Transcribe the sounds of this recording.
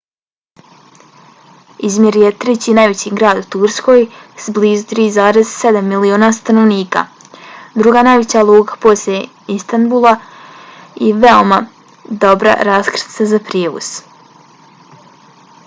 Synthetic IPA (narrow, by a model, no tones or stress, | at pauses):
izmje̞ɾjet̪ɾet͡ɕiːnajʋe̞t͡ɕiɡɾaːd̪ut̪uɾsko̞ːjsbliːzut̪ɾiːzaːɾezse̞d̪amːilioːnast̪ano̞ʋniːka̰ | d̪ɾuɡaːnajʋe̞t͡ɕalˠuːɡḁpo̞sljʲe | ist̪anbulˠa | iʋeo̞ma | d̪o̞bɾa̰ɾaːskɾsazapɾjeːʋṵs